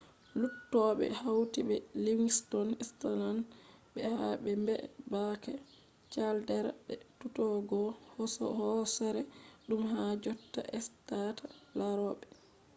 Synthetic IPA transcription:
lutːɔɓɛ̰hawtiɓɛliŋstɔnistananbɛhabɛmbɛ̰bakɛ | t͡ʃaldɛɾaɓɛ̰tutɔɡɔhɔsɔ̰hɔsaɾɛɗumɦad͡ʒɔtːa̰ʔɛstatalaɾɔːɓɛ

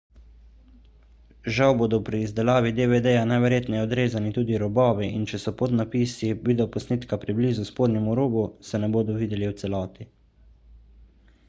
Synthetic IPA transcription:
ʒawboːd̪ɔpɾiːzd̪ɛlaːʋid̪eʋed̪ejanajʋɛɾjeːt̪nɛjɛɔd̪ɾeːzanit̪uːd̪iɾɔbɔːʋiʔint͡ʃɛsɔpot̪napiːsibiːd̪ɔpɔsniːt̪kapɾibliːzuspoːd̪nɛmuɾoːɡusɛnɛboːd̪ɔʋiːd̪ɛliwt̪sɛlɔːt̪i

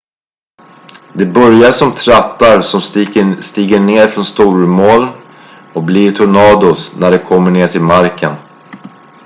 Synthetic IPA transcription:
d̪ɛbœɾjaʂɔmt̪ʰɾat̪ːaɾsɔmst̪iːɡəɳeːɾfɾɔnst̪uːɾmoːl | ɔk̚bliɾt̪ʰʊɳɑːd̪ʊsnæɖɛkʰɔmːəɳeːʈʰɪlmaɾkən

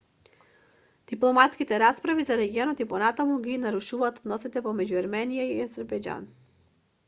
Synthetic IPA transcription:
d̪̥iplˠɔmat̪skit̪ɛɾatspɾavizaɾɛɡiɔnɔt̪ipɔnat̪amuɡinaɾuʃuvaːt̪ɔd̪nɔsit̪ɛpɔmɛɟuaɾmɛnijaiazɛɾbɛjd͡ʒa̰n

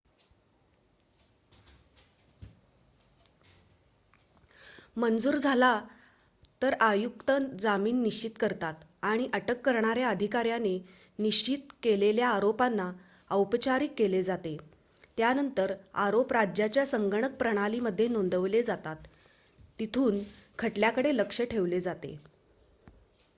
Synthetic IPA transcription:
mənd͡zuːɾd͡zʱala | t̪əɾajukt̪ənd͡zamiːnːiɕt͡ɕit̪kəɾt̪at̪ | aɽ̃iʔəʈəkːəɾɳ̃aɾjaəd̪ʱikaɾjane | niɕt͡ɕit̪keleljaːɾopanːa | əwpət͡ɕaɾikːeled͡zat̪e | t̪janənt̪əɾaɾopɾad͡ʑjat͡ɕjasəŋɡəɳ̃ək̚pɾəɽ̃aliməd̪ʱːjenond̪əʋled͡zat̪at̪ː | it̪ʰuːnkʰəʈljakəɽeləkʂəʈʰeʋled͡zat̪ḛ

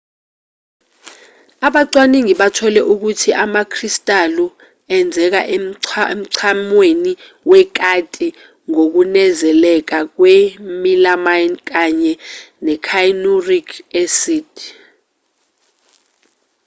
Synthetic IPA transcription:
aɓaǀwaniŋiɓatʰɔlɛʔuk̬utʰiʔamakʰristʼalu | ɛnd͡zʱɛk̬a̰ʔem̩ǀʰamweni | wɛk̬ʼatʼi | ŋok̬unɛzɛlɛk̬ak̬wemilamajnk̬aɲɛnɛkʰajnurikʰesid

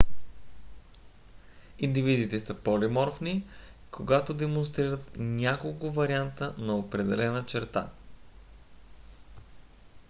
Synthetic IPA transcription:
ind̪ivid̪it̪ɛsəpɔlimɔɾfni | koɡat̪od̪ɛmonst̪ɾiɾət̪nʲakolˠkʊvɐɾiant̪ənɐopɾɛd̪ɛlɛnət͡ʃɛɾt̪a̰

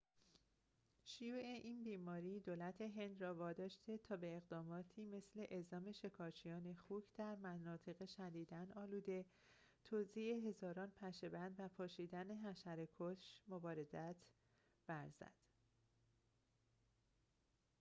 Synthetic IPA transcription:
ʃijuːʔe̞ʔiːnbiːmɒːɾiːd̪oːlæt̪ʰe̞ɦe̞nd̪rɒːvɒːd̪ɒːʃt̪e̞t̪ʰɒːbe̞ːɣd̪ɒːmɒːt̪ʰiːme̞sle̞ʔezɒːme̞ʃe̞kʰɒːt͡ʃʰijɒːne̞xuːcʰd̪̥æɾmænɒːt̪ʰe̞ɣeʃæd̪iːd̪ænɒːluːd̪e̞ | t̪ʰoːzieɦe̞zɒːɾɒːnpʰæʃe̞bænd̪væpʰɒːʃiːd̪æneɦæʃæɾekʰoʃmobɒːɾe̞zæt̪ʰ | b̥æɾzæ̰d̪̥

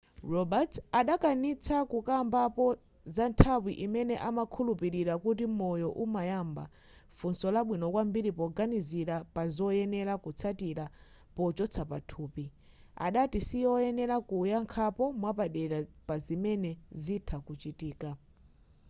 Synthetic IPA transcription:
rɔbatʰaɗakanit͡sʰakukambapɔ | zantʰawiʔimɛnɛʔamakʰulupiɾiɾakut̬imɔjɔʔumajamba̰ | funsɔlaɓwinɔkwambiɾipɔɡaniziɾapazɔjɛnɛɾakut͡sʰatiɾa | pɔt͡ʃɔt͡sʰapatʰuːpi | a̰ɗatisiɔjɛnɛlakujaŋkʰapɔmwapaɗɛɾapazimɛnɛzitʰakut͡ʃitiːka

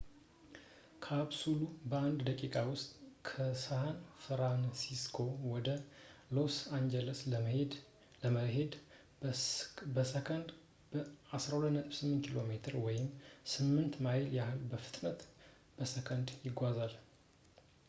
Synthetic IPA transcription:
kʰaβsulubəand̪d̪əkʼikʼawʊst̪ʼkʰəsahanfɾansiskʰo̞wɔd̪əlo̞sand͡ʒɛləsəed̪ | ləməɦe̞d̪ | bəsəkʰənd̪ | bəasɾahulət̪nət̪ʼβsɨmːnt̪kʰilo̞me̞t̪ʰɨɾwɔjɪmsɨmːɨnt̪majljahɨlbəfɨ̥t̪ʼnət̪ | b̥əsəkʰənd̪jɪɡʷazal

